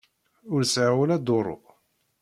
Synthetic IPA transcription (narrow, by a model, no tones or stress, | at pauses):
ʊɾsʕawəlæd̪oɾˤo̰